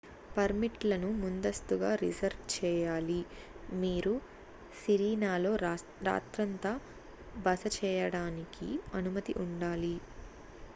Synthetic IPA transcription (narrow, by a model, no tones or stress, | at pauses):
pɐɾmiʈlɐnumund̪ɐst̪uɡaːɾḭzɐɾʋt͡ʃɛːjaːli | miːɾu | siɾiːnaːlo̞ː | ɾa̰ːt̪ɾɐnt̪ɐ | bɐsɐt͡ʃɛːjɐɽaːnikḭɐnumɐt̪ḭʔuɳɖaːli